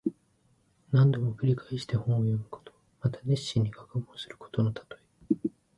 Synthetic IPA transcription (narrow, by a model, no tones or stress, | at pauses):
nãnd̪o̞mo̞kɯ̟ɾʲikaiɕi̥t̪e̞hõ̞ɰ̃ojo̞mɯ̟ko̥t̪ʰo̥ | mat̪ad̪e̞ɕːĩɲ̟ːiɡakɯbõːsɨɾɯ̟̥ko̞̥t̪o̞no̞t̪ʰḁt̪o̞i